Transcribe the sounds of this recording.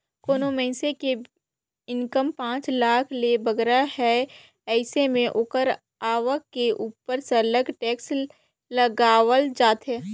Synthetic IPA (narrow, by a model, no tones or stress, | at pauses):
koːnomɛɦseke | ɪnkəmpãːt͡ʃlaːkʰlebɐɡɾaɦɛ | ɛːsemẽʔoːkəɾ | aːʋəkkːeʔuːpəɾsələɡʈɛːks | ləɡaːʋəld͡ʒaːt̪ɦɛː